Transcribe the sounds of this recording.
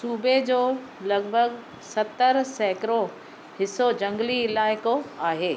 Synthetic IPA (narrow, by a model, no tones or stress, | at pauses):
suːbʱed͡ʑoː | lɐɡbʱəɡ | sɐt̪əɾsɛːkɾo | hɪsod͡ʑɐ̃ŋɡliɪlaːɪkoaːɦeː